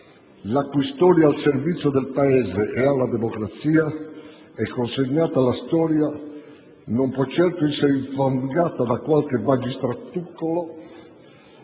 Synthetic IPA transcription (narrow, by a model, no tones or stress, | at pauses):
lakːist̪ɔːɾjaːlseɾvit̪sːjod̪elpaɛːzeʔɛalːad̪emokɾat̪siːa | ɛkːonseɲːaːt̪alast̪ɔːɾja | nompwɔt͡ʃːɛɾt̪oɛsːeɾiɱfaŋɡaːt̪ad̪akwalkemad͡ʒist̪ɾat̪ːukːolɔ